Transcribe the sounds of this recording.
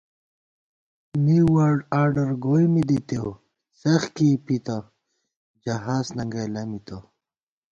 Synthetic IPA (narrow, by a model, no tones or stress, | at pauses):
miwaːɾɖaːɾɖəɾɡojmid̪it̪ew | sɐxkipit̪a | d͡ʑɐɦaːsnɐŋɡɐjlɐmit̪o